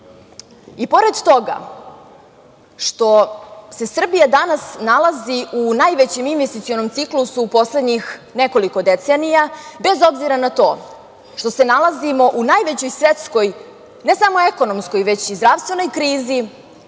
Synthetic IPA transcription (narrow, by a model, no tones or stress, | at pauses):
ipo̞ɾe̞d̪t̪o̞ɡa̰ | ʃt̪o̞se̞sr̩bijad̪anasnalˠaziunajʋet͡ɕe̞minʋest̪it̪sijo̞no̞mt̪siklˠusuːpo̞sled̪ɲixne̞ko̞liko̞d̪et̪senijabe̞zo̞bziɾanat̪o̞ː | ʃt̪o̞se̞nalˠazimo̞ʔunajʋet͡ɕo̞jsʋe̞t̪sko̞j | ne̞samoe̞ko̞no̞msko̞jʋe̞t͡ɕizd̪ɾaʋst̪vʋe̞no̞jkɾiːzi